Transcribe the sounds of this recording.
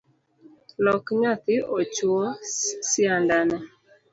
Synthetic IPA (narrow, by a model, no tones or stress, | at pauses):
nɔkɲat̪ɪɔt͡ʃuosɪandanɛ